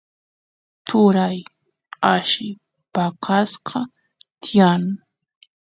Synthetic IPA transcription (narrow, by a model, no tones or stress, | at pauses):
t̪ʰʊɾaj | aʃɪ | pakʰasqʰɑ | t̪jan